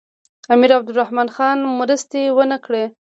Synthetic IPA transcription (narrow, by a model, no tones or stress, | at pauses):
amiɾab̚d̪ʊɾahmɑnxɑnmɾəst̪ewənəkɽe